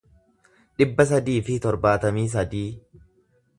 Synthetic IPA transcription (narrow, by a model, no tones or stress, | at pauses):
ᶑɪbːɐs̬ɐd̪iːfɪt̪ɔɾbaːt̪ɐmiːs̬ɐd̪iː